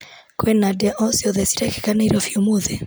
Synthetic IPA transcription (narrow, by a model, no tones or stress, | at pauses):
kwɛnadiaʔɔsiɔðɛsi̥ɾɛki̥kaneɾɔfiumuðɛ